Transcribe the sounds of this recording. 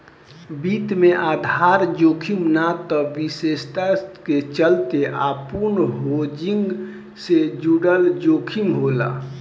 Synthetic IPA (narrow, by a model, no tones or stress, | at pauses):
biːt̪mẽʔaːd̪ʱaɾd͡ʒoːkʰimnat̪ɔʋisest̪aket͡ʃəlt̪eʔapunɦod͡ʒiŋɡ | sed͡ʒuɽəld͡ʒokʰiŋɡɦola̰